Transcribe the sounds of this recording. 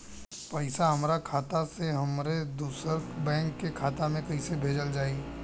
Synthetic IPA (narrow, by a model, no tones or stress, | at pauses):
pɛɪsaɦɐmɾakʰaːt̪aseɦɐmɾed̪uːsəɾbɛ̃ːŋkːekʰaːt̪amẽkɐɦisebʱeːd͡ʒəld͡ʒaːi